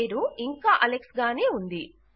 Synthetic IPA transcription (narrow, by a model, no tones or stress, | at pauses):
ɾuiŋkaːʔɐleksɡaːneːund̪i